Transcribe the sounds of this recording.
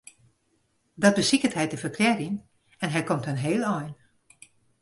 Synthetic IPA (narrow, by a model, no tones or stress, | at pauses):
dɑd̚bəsikəntɦɛjtəvərkʰlɛrin | ɛnɦɛjkɔmtənɦeːlˠɔjn